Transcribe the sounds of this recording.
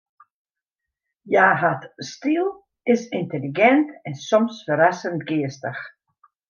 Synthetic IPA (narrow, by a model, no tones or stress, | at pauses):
jaːɦatstilˠ | ɪsinteliɡɛntɛnsɔmsfəɾasəntɡɪəstəx